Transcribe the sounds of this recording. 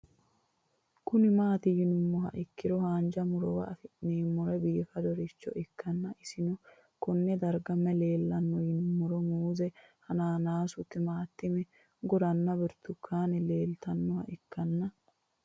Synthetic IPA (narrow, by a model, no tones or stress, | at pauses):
kʊnɪmaːt̪ɪjɪnʊmːɔɦɐ̰ʔɪkːɪɾɔhaːnd͡ʒɐmʊɾɔwɐ̰ʔɐfɪneːmːʊɾɛbiːfɐd̪ɔɾɪt͡ʃːɔ̰ʔɪkːɐnːɐʔɪsɪnɔ | kɔnːɛd̪ɐɾɡɐmːɛle̞ːlːɐnːɔjɪnʊmːʊɾɔmuːzɛhɐnaːnaːsʊt̪ːɪmaːt̪ːɪmɛ | ɡɔɾɐnːɐbɪɾt̪ʊkʰːaːnɪle̞ːlt̪ɐnːɔhɐ̰ʔɪkːɐnːɐ